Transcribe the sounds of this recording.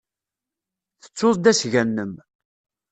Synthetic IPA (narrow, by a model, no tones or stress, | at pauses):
θə̥t͡sːʊðˤd̪æsʝænːəm